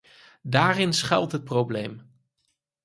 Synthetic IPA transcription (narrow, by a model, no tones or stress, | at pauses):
daːrɪnsχɛ̰lˠtɦət̚prowblḛjm